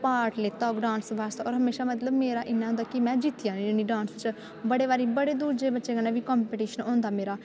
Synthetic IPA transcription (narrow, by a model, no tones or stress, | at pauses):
paːɾʈleːt̪aːoɡɖãːnsʋaːst̪ːɔːɾɦəmeːʃaːmət̪ləbmeːɾaːʔɪnːãɦõnd̪aːkɪmɛ̃ːd͡ʒɪt̪ːijãːniniɖãːnst͡ʃ | bəɽeːʋaːɾiːbəɽeːd̪uːɾd͡ʒeːbətːʃeːɡəneːʋiːkɔːmpeʈiːʃənõːnd̪aːmeːɾaː